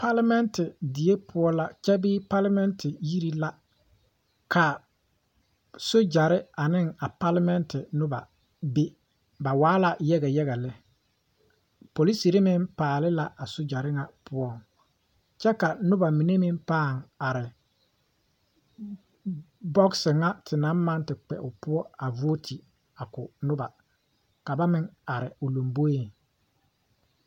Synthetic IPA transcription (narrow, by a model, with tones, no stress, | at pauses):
pa˦la˦mɛ˦ntɪ˨dɪ˨e˦pʰʊ˦ɔ˦la˦t͡ʃɛ˦bɪ˦pa˦la˦mɛ˦ntʰɪ˨ji˦ɾi˦la˦ | kʰa˨ | so˦d͡ʒa˨ɾɪ˦a˨nɪ˦ŋa˨pa˦la˦mɛ˦ntɪ˨nʊ˦ba˨ | be˦ | ba˨waː˦la˨jɛ˦ɣɛ˨jɛ˦ɣɛ˨lɪ˦ | po˨li˦si˨ɾɪ˦mɪ˦mpaː˨lɪ˦la˦ʔa˨so˦d͡ʒa˨ɾɪ˦ŋa˨pʊ˦ɔ˦ŋ | t͡ʃɛ˦ka˨nʊ˦ba˨mi˨ne˦mɪ˦mpaː˦˨ŋa˨ɾɪ˨ | bɔ˦ksɪ˨ŋa˦tʰɪ˨na˦mma˦ntɪ˨k͡pɛ̰˨ʔʊ˨pʊ˦ɔ˦a˨vo˦tʰi˨ | a˨kʊ˨nʊ˦ba˨ | ka˨ba˦mɪ˦ŋa˨ɾɪ̰˨ʊ˨lo˨mbo˦je˦˨ŋ